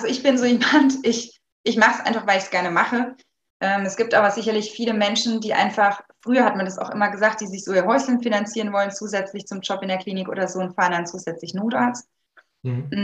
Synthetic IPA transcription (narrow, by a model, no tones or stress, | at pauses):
ʔalzoɪçb̥ɪnzoːimantʔɪç | ʔɪçmaχəsʔaɪnfaχv̥aɪlɪçsɡ̥ɛɐnəmaχə | ʔɛːmɛsɡ̥iːp̚tʔaːbɐzɪçɐlɪçfiːləmɛnʃn̩diːʔa̰ɪnfaχfʁ̥yːɐhatmandasa̰ʊxʔɪ̰mɐɡəzaːkt̚d̥iːzɪçz̥oːiːɐɦɔʏçl̩nfinant͡siːʁənvɔlənt͡suːzɛt͡slɪçt͡sʊmd͡ʒɔpɪndeːɐkʰl̥iːnɪkʔo̰ːdɐzoːnfaːɐndant͡suːzɛt͡slɪçnoːtaːt͡st̩ː